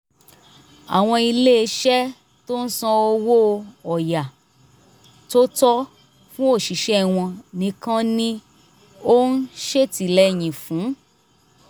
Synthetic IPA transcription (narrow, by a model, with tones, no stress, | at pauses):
a̰˨w̃ɔ̃˧i˧le˦e˧ʃɛ˦ | to˦n̩˦sã˧o˧wo˦ɔ˨ja˨ | to˦tɔ˦ | fũ˦o˦˨ʃi˨ʃɛ˦˨w̃ɔ̃˧nĩ˨˦kã˦nĩ˧ | o˦n̩˦ʃe˦ti˨lɛ˦˨j̃ĩ˨fũ˨˦